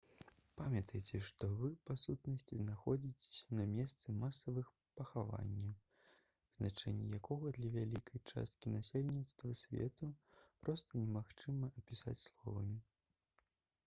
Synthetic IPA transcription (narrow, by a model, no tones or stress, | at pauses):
pamʲjɐt̪ɐjt͡sʲɛʂt̪ɔvɨpasut̪nɐsʲt͡sʲiznaxɔd͡zʲit͡sʲe̥sʲɐnɐmʲɛst̪sɨmasɐvɨx | pɐxava̰nʲːɐ | znat͡ʂɛ̰nʲːɛ̰jakɔɣɐd̪lʲɐvʲalʲikʰɐjt͡ʂa̰st̪̚kʲinasʲelʲnʲit̪st̪vɐsʲvʲɛ̰t̪upɾɔst̪ɐnʲɛmaxt͡ʂɨmɐʔɐpʲisa̰t͡sʲslˠɔ̰vɐmʲi